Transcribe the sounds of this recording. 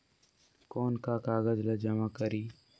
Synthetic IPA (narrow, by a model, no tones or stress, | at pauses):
koːnkakaːɣəzləd͡ʒɐmakəɾiː